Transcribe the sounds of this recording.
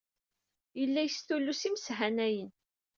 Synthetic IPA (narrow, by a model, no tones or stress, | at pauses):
jəlːæjəsθulːusimsɦænæjən